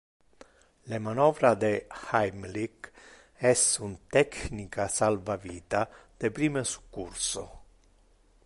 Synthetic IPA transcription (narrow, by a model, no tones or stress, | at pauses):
lemanɔːvɾad̪ehajmlik | ɛsunt̪ɛknikasalvaviːt̪ad̪̥epɾiːmesu̥kːuɾso̰